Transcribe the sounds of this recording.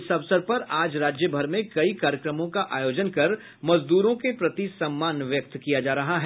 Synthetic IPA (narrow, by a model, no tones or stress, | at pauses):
sɐʋsəɾpɐɾaːd͡ʒɾaːd͡ʒjəbʱɐɾmẽkɐikaːɾjəkɾəmõkaʔaːjoːd͡ʒənkɐɾ | mɐzd̪uːɾõkepɾɐt̪isɐmːaːnʋjɐk̚t̪kijad͡ʒaːɾɐɦaɦɛ